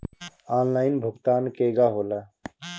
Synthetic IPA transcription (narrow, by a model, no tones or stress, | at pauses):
aːnlaːɪnbʱʊkt̪aːnkeːɡaɦoːla